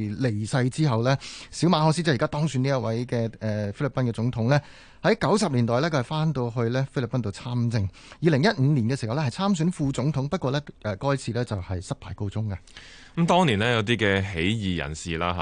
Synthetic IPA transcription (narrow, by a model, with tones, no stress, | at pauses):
le˨˩jsɐ˧jt͡siː˥ɦɐ˨wlɛː˥siː˨˥wmaː˨˧˥ɦɔː˧ksi˥t͡sɛ˥˩˨kaː˥t̪ɔː˥ŋsyː˨˧niː˥ɐ˥t̚wɐ˨˥jkɛː˧ɛː˨˧fe˥jli˨˩pɐ˥nkɛː˧t͡sʊ˨˥ŋt̪ʰʊ˨˥ŋlɛː˥ | hɐ˨˥jkɐ˨˥wsɐ˨p̚liː˨˩nt̪ɔː˨jlɛ˥kʰɵ˧˩hjfaː˥nt̪o˧wɦɵ˧ɥlɛː˥fli˨˩pɐ˥nt̪o˧wt͡sʰaː˥mt͡sɪ˧ŋ | jiː˧lɪ˨˩ŋjɐ˥t̚ŋ̩˨˧niː˨˩nkɛ˧si˨˩ɐ˨wlɛ˥hɐ˨jt͡sʰaː˥msyː˨˥nfuː˧t͡sʊ˨˥ŋt̪ʰʊ˨˥ŋpɐ˥t̚kʷɔː˧ɛ˥ʔɛː˨kɔː˥jt͡sʰiː˧lɛː˥t͡sɐ˨whɐ˨jsɐ˥t̚pʰaː˨˩jko˧wt͡sʊ˥ŋkɐ˧˨˦ | mt̪ɔː˥ŋniː˨˩nɛː˦˥jɐ˨˧wt̪iː˥kɛː˧ɦe˨˥jjiː˨˩jɐ̰˨˩nsiː˨la̰ː˥ɦ